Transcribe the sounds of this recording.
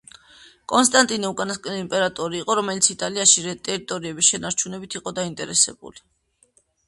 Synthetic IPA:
kʼɔnst̪ʼant̪ʼinɛukʼanaskʼɛniimpʼɛɾat̪ʼɔɾiːqʼɔɾɔmɛlit̪sʰit̪ʼaliaʃiɾɛt̪ʼɛɾit̪ʼɔɾiɛbisʃɛnaɾt͡ʃʰunɛbit̪ʰiqʼɔd̪aint̪ʼɛɾɛsɛ̰bṵli

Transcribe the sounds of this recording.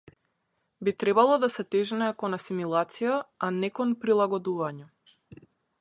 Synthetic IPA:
bit̪ɾɛbalˠɔd̪asɛt̪ɛʒnɛkɔnasimilˠat̪sijaanɛkɔnpɾilˠaɡɔd̪uvaɲɛ

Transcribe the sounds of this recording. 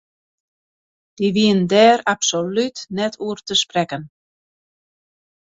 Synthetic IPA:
d̥iʋiəndɛːɾapsolytnɛtʰuərtəsprɛkən

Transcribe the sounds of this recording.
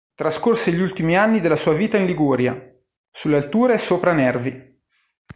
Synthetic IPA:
t̪ɾaskorseʎːiult̪imianːid̪elːasuːaviːt̪ainliɡuːɾja̰ | sulːealt̪uːɾesoːpɾanɛrvi

